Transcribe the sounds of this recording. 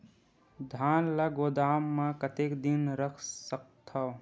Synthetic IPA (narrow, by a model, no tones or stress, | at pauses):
d̪ʱaːnləɡoːd̪aːmːãkət̪ekd̪inɾəkʰsək̚t̪ʰa